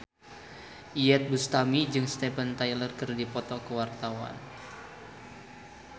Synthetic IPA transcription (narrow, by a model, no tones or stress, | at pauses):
ʔiɛt̪̚bust̪amid͡ʒɨŋst̪ɛpənt̪ajlərkɨrdipɔt̪ɔkəwart̪awa̰n